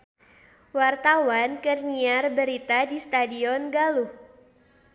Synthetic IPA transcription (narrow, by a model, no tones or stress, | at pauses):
wart̪awankərɲiarbəɾit̪adist̪adiɔnɡaluh